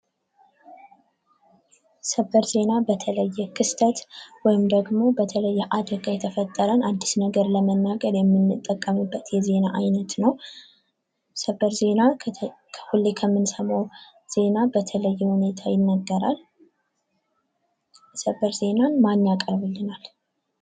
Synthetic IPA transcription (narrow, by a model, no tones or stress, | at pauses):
səbəɾze̞nabət̪ʰələjːɛkʰɨst̪ʰət̪wɔjɪmd̪əɡmo̞bət̪ʰələjːɛʔad̪ɾəɡajɛt̪ʰəfət̪ʼːəɾənad̪ːisnəɡəɾləmənːaɡəɾjɛmːɨnːɨt̪ʼːəkʼːəmɨbːət̪jɛze̞naʔajnət̪nəw | səbəɾze̞nakʰəhulːekʰəmːɨnsəmow | z̥e̞nabət̪ʰələjːɛhune̞t̪ʰajɪnːaɡːəɾa̰l | səbəɾze̞nanmanːakʼəɾbɨlːɨnal